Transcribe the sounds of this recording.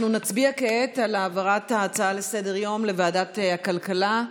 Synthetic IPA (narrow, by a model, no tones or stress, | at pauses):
nunat͡sbiakeetalaːvaʁataːt͡saalese̞deʁjo̞mle̞vaːdatakalkala